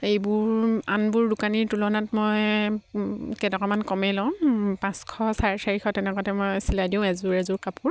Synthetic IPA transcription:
ejbʊɹanbuɹdukaniɹtulɔnatmɔj | kɛtɔkɔmankɔmɛlɔ̃pãskʰɔsaɹsaɹixʰɔtɛnɛkɔtɛmɔjsiladiʊ̃ɛzʊɹɛzʊɹkapuɹ

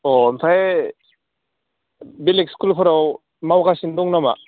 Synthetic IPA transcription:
ɔmsʰae | bilekskulpʰɯɾaw | mawkasindɔŋnama̰

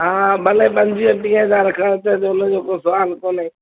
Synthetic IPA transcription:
ɦãːɓəleːɓənd͡ʒiẽːpĩːɦəzaːɾkʰaːt̪eːt̪eʊnːd͡ʒoːkoːsəʋaːlkoːneː

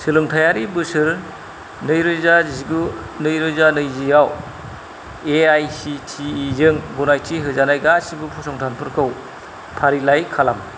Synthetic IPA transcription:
sɯlɯŋtʰajaɾibɯsɯɾ | nɯjɾɯjzaziɡu | nɯjɾɯjzanɯjzijaw | eajsitʰiːzɯŋbunajtʰiɦɯzanajɡasibɯpʰusɔŋtʰanpʰɯɾkʰɯw | pʰaɾilajkʰalam

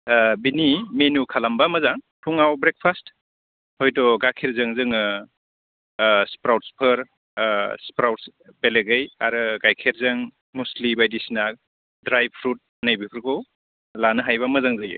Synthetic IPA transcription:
binimenukʰalambamɐzaŋ | tʰuŋawbɾek̚pʰast | hɔjtɔɡakʰeɾzɯŋzɯŋɯ | spɾawt̚spʰɯɾ | spɾawtsbeleɡɯjaɾɯɡajkʰeɾzɯŋ | muslibajdisna | dɾajb̚pʰɾut̚ | najbipʰɯɾkɯw | lanɯɦajbamɐzaŋzajɯ̰

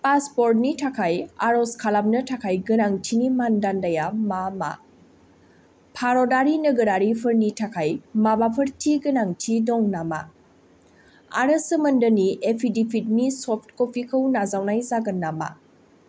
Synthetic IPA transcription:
paspoɾt̚nitʰakʰajaɾoskʰalamnɐtʰakʰajɡɐnaŋtʰinimandandajamama̰ | pʰaɾɔdaɾinəɡəɾaɾipʰɯɾnitʰakʰajmabapʰəɾtʰiɡɯnaŋtʰidɔŋnama̰ | a̰ɾəsəmɐndəniʔepʰidipʰit̚nisɔp̚ʰtkopʰikʰəwnazawnajzaɡənːama̰

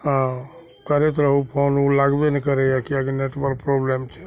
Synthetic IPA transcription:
ɦã | kəɾet̪̬ɾəɦupʰonulaɡbenɛkəɾɛjakiaɡneʈbəlpɾoblemt͡ʃʰɛ̥

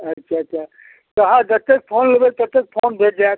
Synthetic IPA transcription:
ətːʃʰaəa | t̪əɦãd͡ʒət̪ek̚pʰonləbet̪ət̪ek̚pʰonbʱeʈ̚d͡ʒaet̪̚

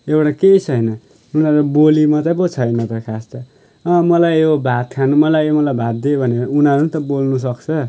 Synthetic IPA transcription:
ewʈakejt͡sʰʌjnʌ | unaɾubolimʌt͡sʌp̬ot͡sʰʌjnʌt̪ʌkʰast̪ʌ | ʌmʌlajobʱat̪kʰanumʌlajomʌlajbʱat̪̚d̪ebʱʌneunaɾut̪ʌbolnus̬ʌkt͡sʰʌ

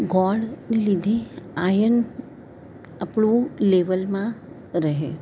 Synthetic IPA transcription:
ɡɔɖnelid̪ʱeajən | apɳũleʋəlmã | ɾəɦe

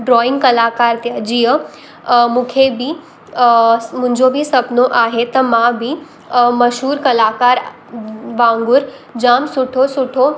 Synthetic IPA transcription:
ɖɾɔːɪ̃ŋɡkɐlaːkaːɾt̪jad͡ʒijə | mʊ̃kʰebʱi | mʊ̃ɲd͡ʒobʱisɐpnoʔaːɦet̪ɐmãbʱi | mɐʃɦuːɾkɐlaːkaːɾ | ʋãːŋɡʊɾd͡ʒaːmsʊʈʰosʊʈʰo

